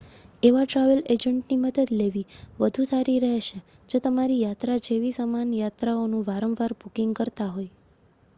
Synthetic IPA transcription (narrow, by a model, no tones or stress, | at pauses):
eʋaʈɾaʋəled͡ʒəɳʈniməd̪əd̪leʋiʋəd̪ʱũsaɾiɾəɦeʃe | d͡ʒet̪əmaɾijat̪ɾad͡ʒeʋisəmanjat̪ɾaonũʋaɾəʋʋaɾbukiŋɡkəɾt̪aɦoj